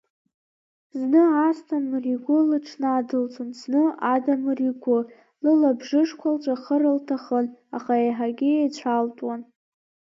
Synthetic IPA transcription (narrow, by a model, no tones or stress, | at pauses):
znɨastʰamɨriɡʷʊlɨʈ͡ʂʰnaːdɨlt͡sʷʰʼʊnsʰnɨadamɨriɡʷʊ | lɨlabʐɨʂkʷʰalt͡ʃʷʼaχəɾɨltʰaχəna̰χaeħaɡʲɪejt͡ɕʷʰaltʼwan